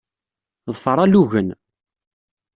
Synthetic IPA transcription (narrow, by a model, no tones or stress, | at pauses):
ðˤfəɾˤaluɣən